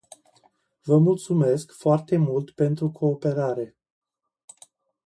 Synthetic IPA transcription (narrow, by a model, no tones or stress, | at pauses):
vəmult̪sume̞skfoart̪e̞mult̪pe̞nt̪ɾukʰo̞ːpe̞ɾaɾe̞